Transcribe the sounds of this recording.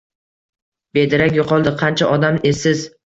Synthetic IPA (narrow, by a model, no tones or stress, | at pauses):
be̞d̪ɪɾakʲjoqʰɒlˠd̪ɪqʰɑnt͡ʃʰaʔɒd̪amesɪz